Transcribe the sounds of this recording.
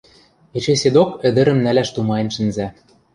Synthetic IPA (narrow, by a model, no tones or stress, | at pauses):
et͡ɕesed̪okɘ̆d̪ɘ̆ɾɘ̆mnælæʃt̪umɑjĕnʃɘ̆nzæ